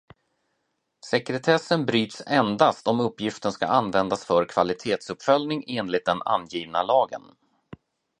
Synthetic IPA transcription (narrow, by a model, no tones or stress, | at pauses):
sɛkɾɛt̪ʰɛsːənbɾyːt̪sɛnd̪ast̪ɔmɵpːjɪft̪ənska̰ʔanːvɛnd̪asfœɾkʰvalɪt̪ʰeːt̪sɵpfœljnɪŋeːnlɪt̪̚d̪ɛna̰njiːvnalɑːɡə̰n